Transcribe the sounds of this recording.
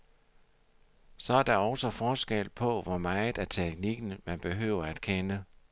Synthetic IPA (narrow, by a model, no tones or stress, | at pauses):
sɒ̽æɐd̥ɑ̈ɒ̽ʊsɒ̽fɒːsɡ̥el̰pʰɒ̽ʋɒmɑ̈ð̩ˠæɐt͡sʰeɡ̥niɡ̥n̩mænb̥e̝ɦø̰ːʊɐæd̥kʰenə